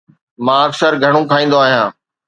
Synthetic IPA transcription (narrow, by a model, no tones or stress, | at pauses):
mãːəksəɾɡʱəɽ̃õkʰaːĩːnd̪oaːɦijãː